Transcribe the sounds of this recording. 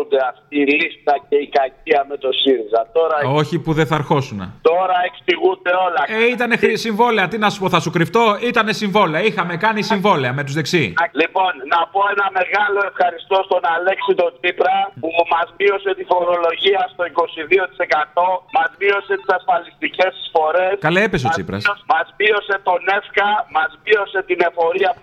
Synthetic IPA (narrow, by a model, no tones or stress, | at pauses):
und̪eɐft̪̚iːlist̪ɐce̞ikɐciɐme̞t̪o̞siɾizɐt̪o̞ɾɐo̞çipuðeθɐɾxo̞sunḛt̪o̞ɾɐeksiɣund̪e̞o̞lɐeit̪ɐnexɾisiɱvo̞le̞ɐt̪inɐsu̥po̞θɐsukɾift̪o̞it̪ɐne̞siɱvo̞leɐixɐme̞kɐnisiɱvo̞leɐme̞t̪uzðeksilipo̞nːɐpo̞enɐme̞ɣɐlo̞e̞fxɐɾist̪o̞st̪o̞nɐle̞ksit̪o̞t͡sipɾɐpumɐzmio̞se̞t̪ifo̞ɾo̞lo̞ʝiɐst̪o̞iko̞siðio̞t̪i̥se̞kɐt̪o̞mɐzmio̞se̞t̪i̥sɐsfɐlist̪ice̞ssfo̞ɾe̞skɐleepe̞s̬o̞t͡st͡sḭpɾɐ̰smɐzmio̞se̞t̪o̞ne̞fkɐmɐzmio̞se̞t̪ine̞fo̞ɾiɐ